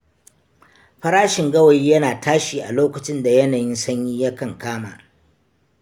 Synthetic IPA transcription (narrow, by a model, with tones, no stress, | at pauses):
ɸɐ˦ɾaː˦ʃɪ˨ŋɡɐ˦wɐ˨jiː˦jɐ˦naː˨taː˦ʃiː˨ʔa˨loː˦kɐ˨t͡ʃɪ˦nda˨jɐ˦naː˨jɪ˦nsɐ˦ɲjiː˦ja˦kɐ˨ŋkaː˦ma̰ː˨